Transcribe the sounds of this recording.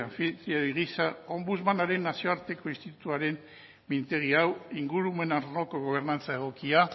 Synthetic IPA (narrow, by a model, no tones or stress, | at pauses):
aɱfit̪ɾiaiɣisao̞mbuzmanaɾe̞nːasio̞aɾt̪e̞ko̞inst̪it̪ut̪uaɾe̞m | mint̪e̞ɣ̞iawiŋɡuɾume̞naɾno̞ko̞ɣ̞o̞β̞e̞ɾnant͡saeɣ̞o̞kia